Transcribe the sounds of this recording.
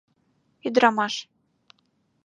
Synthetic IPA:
id̪ɾɑmɑʃ

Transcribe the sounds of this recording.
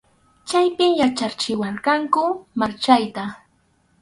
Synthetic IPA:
t͡ʃajpɪmjat͡ʃat͡ʃɪwaɾkɑŋkʊmaɾt͡ʃajt̪a

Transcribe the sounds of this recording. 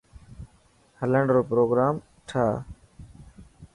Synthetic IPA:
hələɳɖɾoːpɾoːɡɾaːm | ʈʰaː

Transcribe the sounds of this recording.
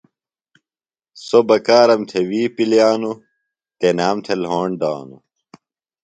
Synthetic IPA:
sobɐkaːɾɐmt̪ʰewiːpiljaːnu | t̪enaːmt̪ʰelɦoːɳɖ̪a̰ːnu

